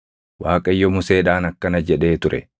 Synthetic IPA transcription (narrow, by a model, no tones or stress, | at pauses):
waːkʼɐjːɔmʊse̞ːᶑaːnɐkːɐnɐd͡ʒɛᶑe̞ːt̪ʊɾʔɛ